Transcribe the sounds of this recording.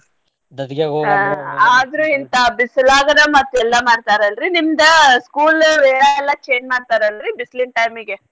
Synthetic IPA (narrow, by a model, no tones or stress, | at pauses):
d̪ɐd̪kjaːɡoːɡaaːd̪ɾuint̪ɐbisɐlaːɡɐɾɐmɐt̪ːuɛlːɐmaːɖt̪aːɾɐlɾinimd̪ɐskuːlɾeːɾɐɛlːɐt͡ʃe̞ːd͡ʒmaːɖt̪aːɾeɐlɾibislinʈɐjmiɡe